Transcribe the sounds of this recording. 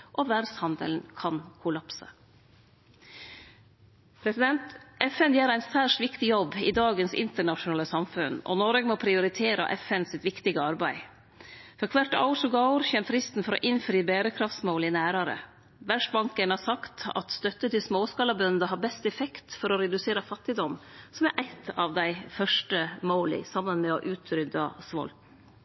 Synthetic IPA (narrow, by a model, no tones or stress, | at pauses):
ʔɔʋæɖshɑnd̪ə̰ln̩kʰɑnkʰʊlɑpsə̰ | pʰɾɛsɪd̪ɛnt̪ʔɛfɛnjæːɾæɪnsæːʂʈʋɪkt̪ɪjɔbɪ̰d̪ɑːɡənsɪ̰nt̪əɳɑʂʊnɑːləsɑmfʉnɔ̰nɔɾəɡmoːpʰɾɪʊɾɪt̪ʰeːɾə̰ʔɛfɛnsɪt̪ʋɪkt̪ɪɡəɑɾbæɪ | fɔɾkʰʋɑʈːɑ̰ʊʂɔɡɑɾçɛmfɾɪst̪n̩fɔɾɔ̰ʔɪnfɾiːbeːɾəkʰɾɑft̪smoːlɪnæːɾɑɾə̰ | ʋæʂʈbɑŋkənɑsɑkt̪ɑ̰t̪st̪œt̪ːət̪ɪlsmoːskɑːlɑbœnd̪əɦɑːɾbɛst̪ɛfɛkt̪fɔɾɔɾɛd̪ʉseːɾəfɑt̪ːɪd̪ɔmsɔmæɾʔæɪt̪ɑʋd̪æɪfœʂʈəmoːlɪ̰sɑmːənmɛɔʔʉːt̪ʰɾʏd̪ɑsʋɔ̰ːl